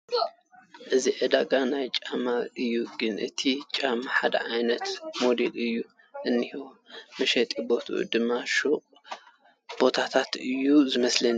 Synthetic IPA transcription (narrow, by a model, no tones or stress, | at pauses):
ʔɨziʕɨd̪aɡanajt͡ʃʼamaʔɨjːuɡɨnʔɨ̰t̪ʰit͡ʃʼamaħad̪ɐ̰ʕajnɐt̪mo̞d̪elɨjːu | ʔɨnːihiwmɐʃɛt̪ʼibo̞t̪ʰṵʔɨ̰d̪ɨmaʃo | b̥o̞t̪ʰat̪ʰat̪ɨjːuzɨmɐslɐn